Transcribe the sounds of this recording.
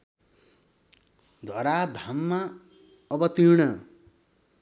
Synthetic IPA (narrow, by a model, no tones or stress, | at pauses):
d̪ʱwʌɾad̪ʱamːa | ʌbʌt̪iɾɽʌ